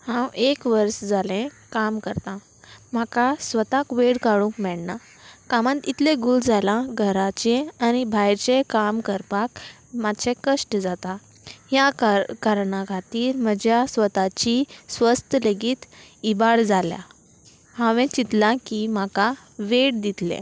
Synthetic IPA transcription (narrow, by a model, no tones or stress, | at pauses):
hãwekʋəɾsd͡zalẽ | kamkəɾt̪ã | m̤akasʋət̪akʋeɽkaɽũŋkmɛɽna | kamãt̪it̪lẽɡuld͡zalãɡʱəɾat͡ɕẽanibʱajɾt͡ɕekamkəɾpak | mad̪ɕʰẽkəʂʈd͡zat̪ã | ɦjakkaɾɳãkʰat̪iːɾməd͡ʑjasʋət̪at͡ɕisʋəst̪əleɡiːt̪ibaɽd͡zalja̰ | hãʋẽt͡ɕit̪lãkimaka | ʋeɽd̪it̪lḛ̃